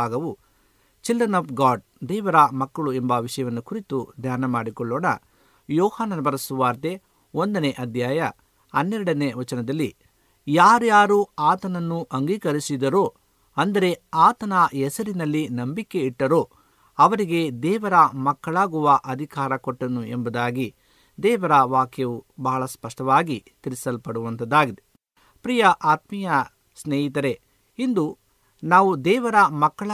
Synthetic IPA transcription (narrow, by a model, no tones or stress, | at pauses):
aːɡɐʋu | t͡ʃildɾɐnɐːpʰɡaːɖ̚ | d̪ɛːʋɐɾɐmɐkːɐɭuembɐʋiʂɐjɐʋɐnːukuɾit̪ud̪ʱjaːnɐmaːɽikɔɭːɔːɽɐ̰ | jɔːhaːnɐnɐbɐɾɐsuʋaːɾt̪e̞ | o̞nd̪ɐne̞ʔɐd̪ʱjaːjɐ | ɐnːɛɾɐɽɐne̞ʋɐt͡ʃɐnɐd̪ɐlːi | jaːɾjaːɾuaːt̪ɐnɐnːuʔɐŋɡiːkɐɾisid̪ɐɾo̞ː | ɐnd̪ɐɾe̞aːt̪ɐnɐɛsɐɾinɐlːinɐmbikːe̞iʈːɐɾo̞ː | ɐʋɐɾiɡe̞d̪ɛːʋɐɾɐmɐkːɐɭaːɡuʋɐʔɐd̪ʱikaːɾɐkɔʈːɐnuembɐd̪aːɡi | d̪ɛːʋɐɾɐʋaːkjɐʋubɐɦɐɭɐspɐʂʈɐʋaːɡit̪iɾisɐlpɐɽuʋɐnt̪ɐd̪aːɡid̪e | pɾijɐʔaːt̪mijɐ | sneːɦit̪ɐɾe̞ | ind̪u | naːʋud̪ɛːʋɐɾɐmɐkːɐɭ